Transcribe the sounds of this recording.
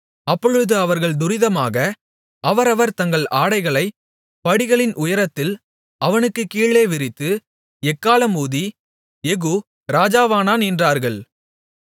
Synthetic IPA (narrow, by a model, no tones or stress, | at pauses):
ɐpːɔɻɯðɯɐʋɐɾɣɐɭd̪ʊɾɪðɐmaːɣɐ | ʔɐʋɐɾɐʋɐɾt̪ɐŋɡɐɭaːɽɐɪɣɐɭɐɪ | pɐɽɪɣɐɭɪnʔʊjɐɾɐt̪ːɪl | ɐʋɐnɯkːɯkːiːɭeːʋɪɾɪt̪ːɯ | ɛkːaːlɐmuːði | ɛɣu | ɾaːd͡ʒaːʋaːnaːnɪndraːɾɣɐɭ